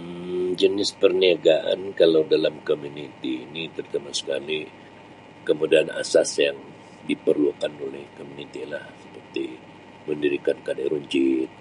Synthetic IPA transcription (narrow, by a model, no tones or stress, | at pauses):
d͡ʒənɪspərniaɡaʔa̰nkalawdalamkomunit̪iːnit̪ərt̪amasə̥kali | kəmudaana̰sasjaŋ | dipərluakanolɛhkomunit̪ilahsə̥pərt̪i | məndiɾikankadaɾuɲt͡ʃɪt̪̚